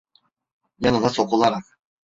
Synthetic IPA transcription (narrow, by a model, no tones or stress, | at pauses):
jɑnɯnaso̞qulˠaɾaq